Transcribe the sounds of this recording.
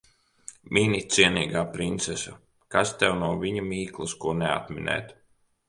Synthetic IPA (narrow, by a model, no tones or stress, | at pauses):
mʔinʲit̪siɛniːɡaːpɾint̪sɛsa | kast̪ɛwnuɔvʲiɲamiːklˠuskuɔnea̰t̪minɛ̰ːt̪